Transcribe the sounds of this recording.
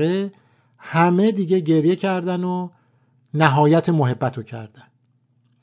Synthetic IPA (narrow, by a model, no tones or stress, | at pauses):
e | hæme̞d̪iːɟe̞ɟe̞ɾjecʰæɾd̪æno | næɦɒːjæt̪ʰemoɦe̞bːæt̪ʰocʰæ̰ɾd̪̥æn